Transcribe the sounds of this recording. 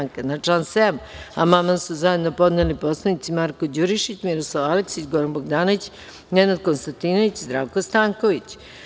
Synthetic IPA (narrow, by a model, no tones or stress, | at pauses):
ŋkanaʈ͡ʂansema̰mamasuzaje̞d̪no̞po̞d̪neliposlˠanit̪simaɾkod͡ʑuɾiʃit͡ɕmiɾoslˠaʋaleksit͡ɕɡoɾanboɡd̪aːnoʋit͡ɕ | nenad̪̚ko̞nst̪ant̪inoʋit͡ɕizd̪ɾaːʋkost̪aːŋko̞ʋit͡ɕ